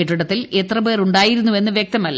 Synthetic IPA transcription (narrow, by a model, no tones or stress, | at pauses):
iʈːuɽɐt̪ːilet̪rɐbeːruɳɖaːjiɾunːue̞nːɨʋjek̚t̪ɐmɐlː